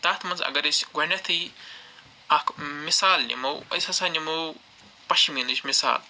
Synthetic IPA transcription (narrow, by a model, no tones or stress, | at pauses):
t̪aːt̪ʰmɐnzɐ̰ɡɐɾesʲɡonʲɐt̪ʰɨ | akmisaːlːʲḭmɐwɐ̰jsɐsaːnʲimɐw | pɐʃiminɨʃʲmisa̰ːl